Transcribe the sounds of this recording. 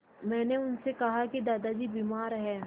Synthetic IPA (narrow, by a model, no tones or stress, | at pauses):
mɛ̃ːneʊnsekɐɦaked̪aːd̪ad͡ʒibiːmaːɾɦɛː